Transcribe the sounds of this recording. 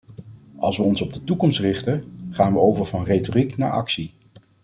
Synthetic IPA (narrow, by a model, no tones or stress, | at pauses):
ɑ̰lˠsʋəɔnsɔb̚dətukɔmstrɪχtəχaːnʋəowvəɹvɑnrejtorikna̰ːɹɑ̰ksi